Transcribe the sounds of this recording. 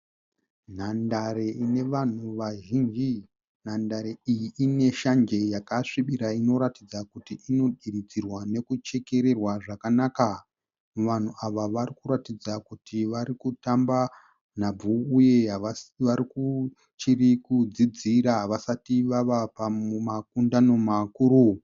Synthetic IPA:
n̤andaɾeine̞ʋan̤uʋaʒind͡ʒi | n̤andaɾeijiine̞ʃand͡ʒe̞jakaʂiɓiɾaino̞ɾatid͡zakutiʔino̞ɗiɾid͡zirwane̞kut͡ʃe̞ke̞ɾe̞rwaʐakanaka | ʋan̤uʔaʋaʋarikuɾatid͡zakutiʋaɾikutamba | n̤ab͡vuːje̞ɦʋaɾiku | t͡ʃirikud͡zid͡ziɾaɦʋasatiʋaʋapamumak̚undano̞makuːɾu

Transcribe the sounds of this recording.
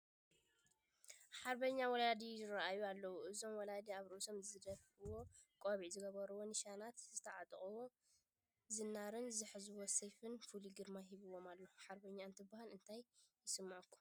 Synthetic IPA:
ħaɾbɐɲːawɔlad̪ijɪɾaʔajualːɐwuʔɨzo̞mwɔlad̪iaβɾʔusomzɨd̪ɐfʔɨwo̞kʼoβiʕzɨɡɐβɐɾuwo̞nɨʃanat̪zɨt̪ʰɐʕat̪ʼχʼuwo | zɨnːaɾɨnzɨħɨzɨwo̞sejfɨnfuliɡɨɾmaɦiβɨwo̞malːɐuħaɾbɐɲːaɨnt̪ʰɨbːahalɨnt̪ʰajː | ɪsɨmːaʕkʰːu̥

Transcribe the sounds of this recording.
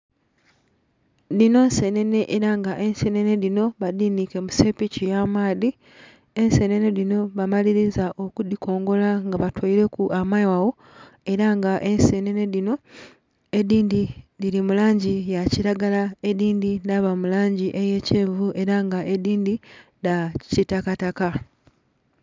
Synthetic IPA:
dino̞nse̞ne̞ne̞ʔeɾaŋɡaʔe̞nsene̞ne̞ðino̞βadinike̞muse̞picijamaːði | e̞nse̞ne̞ne̞lino̞βamaliɾizaʔo̞kudikʰo̞ːŋɡo̞laŋɡaβatwoiɾe̞kuʔamaiwawo̞ | e̞ɾaŋɡaʔe̞nsene̞ne̞ðino̞ | ediːndidilimulaːɲɟijaciɾaɡalae̞diːndidaβamulaːɲɟiʔeje̞ceːɱvuʔe̞ɾaŋɡaʔediːndi | dacitakataka

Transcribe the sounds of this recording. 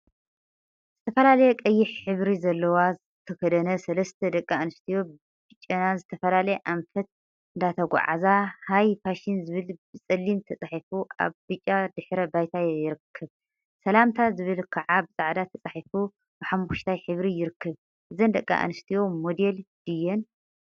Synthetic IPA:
z̥ɨt̪ʰɐfɐlalɐjɛkʼɐjːɪħħɨβɾizɐlːɐwaz | t̪ʰɐkʰɐd̪ɐnɐsɐlɐst̪ʰɐd̪ɐkʼːaanɨst̪ʰijo̞ | bɨt͡ʃʼːɐnazɨt̪ʰɐfɐlalɐjɛʔamfɐt̪̚ | ɨnd̪at̪ʰɐɡʷa̰ʕa̰zahajfʰaʃinzɨβɨlbɨt͡sʼɐlːimt̪ʰɐt͡sʼaħifuʔa̰βbɨt͡ʃʼːad̪ɨħɾɐbajt̪ʰajɪɾɨkʰːɐβ | sɐlamt̪ʰazɨβɨlkʰɐʕabɨsʼaʕd̪at̪ʰɐt͡sʼaħifu | b̥ɨħamːuʃt̪ʰajħɨβɾijɪɾɨkʰːɐβ | ʔɨzɐnd̪ɐkʼːa̰ʔa̰nɨst̪ʰijo̞mod̪eld̪̥ɨjːɛn

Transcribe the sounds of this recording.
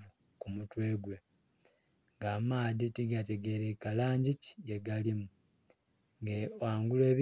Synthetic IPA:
u | kumutwe̞ːɡwe | ŋɡaːmaːðitiɡate̞ɡe̞ɾekalaːɲɟici̥eɡalimu | ŋɡewaːŋɡule̞ːβ

